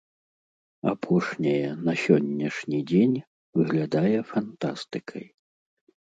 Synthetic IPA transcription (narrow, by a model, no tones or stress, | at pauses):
a̰pʰɔʂnʲɐjɛnɐsʲɔnʲːɐʂnʲid͡zʲenʲ | vɨɣlʲad̪ajɛfant̪ast̪ɨkʰɐ̰j